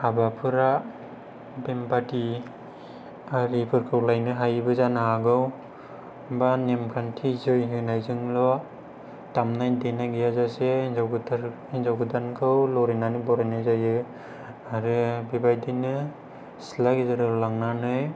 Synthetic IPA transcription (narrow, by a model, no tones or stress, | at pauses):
abapʰɯɾa | bempati | aɾipʰɯɾkʰɯwlajnɯɦajbɯzanaaɡɯw | banemkʰantʰizɯjɦɯnajzɯŋlɔ | tamnajdenaɡijazaseinzɔɡɯdaɾ | inzawɡɯdankʰɯwlɔɾenanɯbɔɾajnazajɯ | aɾɯbibajdinɯ | silaɡizaɾɯlaŋnanɯj